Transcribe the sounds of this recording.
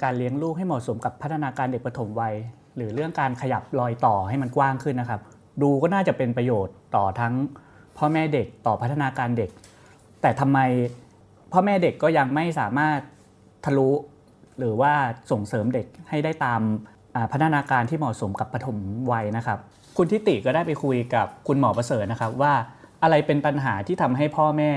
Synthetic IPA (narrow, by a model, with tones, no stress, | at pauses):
kaː˧nli˦əŋluː˥˩k̚ha˥˩jmɔː˨˩so˩˦mka˨˩pʰːt̪ʰːa˧naː˧kaː˧nde˨˩k̚pʰa˧t̪ʰo˩˦mwa˧j | ɾɯː˩˦ɾɯ˥˩əŋkaː˧nkʰa˧ja˨˩p̚lɔː˧jt̪ɔː˨˩ha˥˩jma˧nkwaː˥˩ŋkʰɯ˥˩nːa˦˥kʰa˦˥p̚ | duː˧kɔː˥˩naː˥˩t͡ɕa˨˩pe˧npɾa˧joː˨˩t̪ːɔː˨˩t̪ʰa˦˥ŋ | pʰɔː˥˩˨mɛː˥˩de˨˩k̚t̪ɔː˨˩pʰa˦˥t̪ʰːa˧naː˧kaː˧nde˨˩k̚ | t̪ɛː˨˩t̪ʰa˧mːa˧j | pʰɔː˥˩mɛː˥˩de˨˩kːɔː˥˩ja˧ŋma˥˩jsaː˨˩˦maː˥˩t̪̚ʰː | a˧lu˦˥ | ɾɯː˩˦waː˥˩so˨˩ŋsɤː˩˦mde˨˩k̚ha˥˩jda˥˩jt̪aː˧m | ʔaː˨˩pʰa˦˥t̪ʰa˧naː˧kaː˧nt̪ʰiː˥˩mɔː˨˩so˩˦mka˨˩pʰːa˧t̪ʰo˩˦mwa˧jna˦˥kʰa˦˥p̚ | kʰu˧nt̪ʰi˦˥t̪i˨˩kɔː˥˩daː˥˩jpa˧jkʰu˧jka˨˩p̚kʰu˧nmɔː˩˦pɾa˧sɤː˨˩t̪̚na˦˥kʰa˦˥p̚waː˥˩ʔa˧ɾa˧jpe˧npa˧nɦaː˩˦t̪ʰiː˥˩t̪ʰa˧mɦa˥˩jpʰɔː˥˩mɛː˥˩